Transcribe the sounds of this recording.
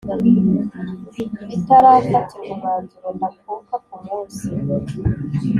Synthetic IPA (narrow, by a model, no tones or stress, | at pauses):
itaɾafatiumaːnzuɾondak̚ukakumuːnsio